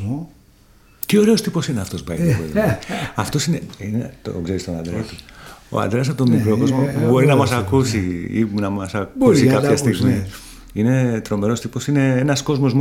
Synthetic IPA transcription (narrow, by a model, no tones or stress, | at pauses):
t̪io̞ɾe̞o̞st̪ipo̞sineɐft̪o̞sbɐolɐft̪o̞sineinet̪o̰kze̞ɾist̪onɐnd̪ɾeit̪uo̰ɐ̰nd̪ɾeɐs̬ɐpot̪omikɾo̞kko̞zmoubo̞ɾinɐmɐsɐkusiḭnɐmɐsɐkbusikɐpçɐst̪iɣmi | ine̞t̪ɾo̞me̞ɾo̞st̪ipo̞sine̞enɐsko̞zmo̞zm